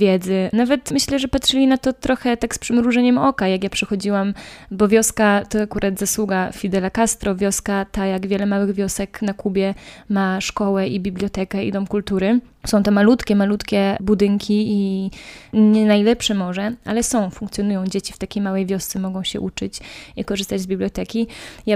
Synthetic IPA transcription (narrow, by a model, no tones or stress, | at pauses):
vʲjɛd̪zɘnavɛt̪mɘɕlɛʐɛpatʂɘlʲinat̪ɔt̪ɾɔxɛt̪akspʂɛmɾuʐɛɲɛmɔkajakjapʂɛxɔd͡ʑiwambɔvʲjɔskat̪ɔakuɾʔad̪zaswuɡafʲid̪ɛlakast̪ɾɔvʲjɔskat̪ajaɡvʲjɛlɛmawɘɣvʲjɔsɛknakubʲjɛmaʂkɔwɛibʲibljɔt̪ɛkɛḭd̪ɔmkult̪uɾɘ | sɔ̃w̃t̪ɔmalut̪kʲɛmalut̪kʲɛbud̪ɘŋkʲii | ɲɛnajlɛpʂɛmɔʐɛʔalɛsɔ̃w̃fũŋkt̪sʲjɔnujɔ̃w̃d͡ʑet͡ɕift̪akʲejmawɛjvʲjɔst̪sɛmɔɡɔ̃w̃ɕɛ̰ʔut͡ʂɘt͡ɕikɔʐɘst̪ad͡ʑzbʲiblʲjɔt̪ɛkʲija